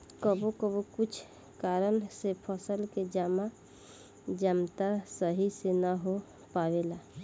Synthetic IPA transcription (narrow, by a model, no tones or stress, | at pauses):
kəbokəbokut͡ʃʰ | kaɾənsepʰəsəlked͡ʒama | d͡ʒamt̪asəɦisenaɦo | pabela